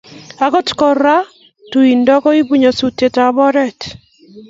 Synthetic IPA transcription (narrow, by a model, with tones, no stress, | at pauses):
a˨kɔ˦tkɔ˨ɾa˦ | tu˨i˨ndɔ˦kɔ˦i˦bu˦ɲɔ˨su˨te˨ta˨βɔ˦ɾɛ˦t